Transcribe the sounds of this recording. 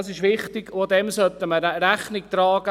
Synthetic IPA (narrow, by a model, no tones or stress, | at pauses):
sɪʃʋɪχtɪ̥od̪ɛmsœt̪ːəməɾæχnɪk̚t̪ɾɑːɡə